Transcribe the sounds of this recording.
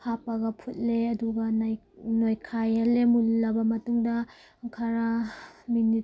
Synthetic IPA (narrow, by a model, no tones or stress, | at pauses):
kʰapɐɡɐpʰut̚leɐduɡɐnajnojkʰajalemulːɐbɐmɐtuŋdɐ | ŋkʰaɾamini